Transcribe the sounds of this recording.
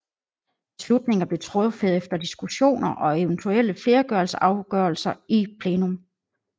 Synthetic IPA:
b̥e̝slud̥̚ne̝ŋɐb̥le̝t͡sʰʁɔfeðˠefd̥ɐd̥isɡ̥uɕo̝̰ːnɐʔɒ̽e̝ʊnt͡sʰuel̰əfle̝ːɐɡ̥ɶɐl̩səʔɑ̈ʊɡ̥ɶɐlsɐʔipʰleːnom

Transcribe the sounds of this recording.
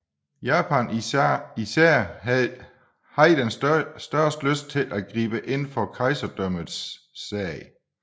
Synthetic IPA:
jæːpʰænisæɐ̰ | hɑ̈id̥ensd̥ɶɐsd̥løsd̥̚t͡sʰe̝lʔæɡ̥ʁḭːb̥əʔe̝n̰fɒkʰɑ̈ɪsɐd̥œməð̩ˠsː | ɛ̰ɪ

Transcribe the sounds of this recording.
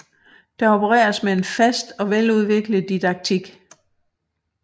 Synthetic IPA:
d̥ɑ̈o̝pʰəʁɛ̰ːɐsmee̝nfæsd̥ɒ̽ʋeluð̞ˠʋe̝ɡ̥ləð̩ˠd̥id̥ɑ̈ɡ̥̚t͡sʰiɡ̥

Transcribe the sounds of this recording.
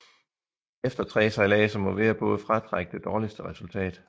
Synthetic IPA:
efd̥ɐt͡sʰʁɛ̰ːsɑ̈ɪlɛːsɐmɒ̽ʋeːɐb̥ɔ̽ːð̞̩ˠfʁɑ̈t͡sʰʁaɡ̥əd̥e̝d̥ɒːlisd̥əʁɛsult͡sʰɛ̰ːd̥

